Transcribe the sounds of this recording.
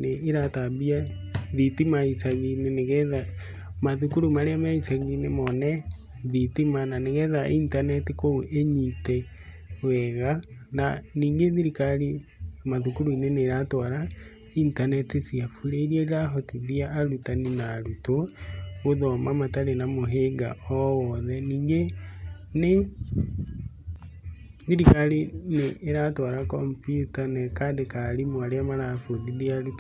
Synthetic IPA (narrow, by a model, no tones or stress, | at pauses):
neːɾatabia | ðitimaisaɣineneɣɛða | maðukuɾumaɾeamaisaɣinemɔnɛ | ðitimananeɣɛðaʔintanɛtikooʔeɲitɛ | wɛɣananiːŋɡeðiɾikaɾimaðukuɾuineneːɾatɔɾa | intanɛtisiafuɾeɾieɾaɦotiðiaːɾutaninaɾutoɣoðɔmamataɾenamoɦeɡa̰ɔwɔðɛniːɡe | ne | ðiɾikalineːɾatɔɾakɔmpjutanekadekalimwaɾeamaɾafoðiðiaɾut